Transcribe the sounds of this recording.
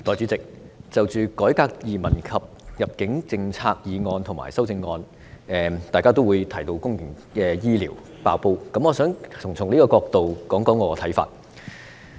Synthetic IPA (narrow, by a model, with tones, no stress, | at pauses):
t̪ɔː˨jt͡sy˨˥t͡sɪ˨k̚t͡sɐ˨wt͡ʃyː˨kɔː˨˥jkaː˧k̚jiː˨˩mɐ˨˩nkʰɐ˨p̚jɐ˨p̚kɪ˨˥ŋt͡sɪ˧ŋt͡sʰaː˧k̚jiː˨˧ŋɔː˧nt̪ʰʊ˨˩ŋma̰ː˨˩jsɐ˥wt͡sɪ˧ŋːɔː˧n | ɛː˨t̪aː˨jkaː˥t̪o˥wuː˨˧jt̪ʰɐ˨˩jt̪o˧wkʊ˥ŋjɪ˨˩ŋ | kɛː˧jiː˥liː˨˩w | pa̰ː˧wpo˧wkɐ˧˥mŋɔː˨˧sœː˨˥ŋʰʊ˨˩ŋt͡sʰʊ˨˩ŋniː˥kɔː˧kɔː˧k̚t̪o˨wkɔː˨˥ŋkɔː˨˥ŋɔː˨˧ɔ˧t̪ʰjfa̰ː˧t̚